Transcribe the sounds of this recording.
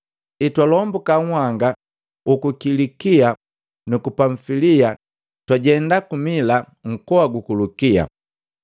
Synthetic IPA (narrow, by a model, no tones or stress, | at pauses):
itwalɔmbukaŋwaŋɡa | ukukilikia | nukupaɱfilia | twaɟɛndakumila | ŋ̩kɔaɡukulukia̰